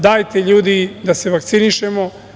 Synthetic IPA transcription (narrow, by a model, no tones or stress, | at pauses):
d̪aːjt̪e̞ʎuːd̪id̪aseʋakt̪siniʃemo̞